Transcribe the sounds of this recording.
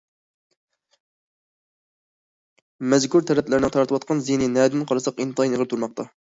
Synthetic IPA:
mɛzkuɾt̪ʰɛɾɛpt̪lɪɾɪnɪŋt̪ʰɑɾt̪ʰɨwɑt̪̚qʰɑnzinɪnɛːd̪ɪnqʰɑɾɑsɑqint̪ʰɑjinɨʁəɾɨt̪ʰuɾmɑq̚t̪ʰɑ

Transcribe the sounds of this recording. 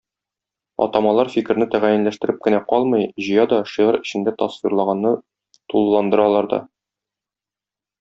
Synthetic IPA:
ɒ̰t̪ɑmɑlˠɑɾfikɘ̆ɾnɘt̪æʁæjɘ̆nlæʃt̪ɘ̆ɾɘp̚kɘ̆næqɒlˠmɤjʑɤ̆jɑd̪ɒʃiʁɤɾɘ̆ɕɘ̆nd̪æt̪ɑsfiɾlˠɑʁɑnːɤ | t̪ulˠːɑnd̪ɤ̆ɾɑlˠɑɾd̪ɒ̰

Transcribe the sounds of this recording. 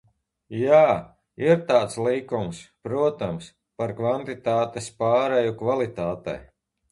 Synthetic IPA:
jaː | iɾt̪aːt̪slˠiːkumspɾuɔt̪ams | paɾkvant̪it̪aːt̪espaːɾɛjukvalˠit̪aːt̪ɛ̰j

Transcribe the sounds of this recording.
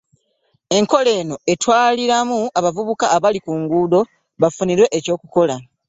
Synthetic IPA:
e̞ŋko̞le̞ːno̞e̞twaːliɾamuaβavuβukaːβalikuŋɡuːdo̞ | βafuniɾwe̞ʔeco̞ːkuko̞la

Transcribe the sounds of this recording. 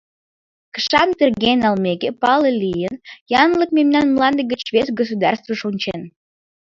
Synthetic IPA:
kə̥ʃɑnt̪erɣenɑlˠmekepɑləlʲijənjɑnlək̚memnɑnmlˠɑnd̪əɡət͡ɕvesɡos̬ud̪ɑ̰rst̪vəʃunʲt͡ɕen

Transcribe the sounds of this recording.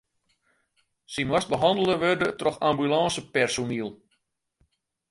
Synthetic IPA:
simwas̚bəɦɑndəlˠəʋørdətrɔxambylɑːsəpɛrsoniəlˠ

